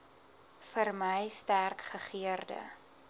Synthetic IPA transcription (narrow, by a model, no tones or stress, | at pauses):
fərməjstærkχəχiərdə̰